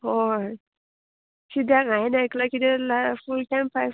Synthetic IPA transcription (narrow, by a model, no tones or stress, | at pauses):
ɔ | kidaŋajnaklakidalafulkampa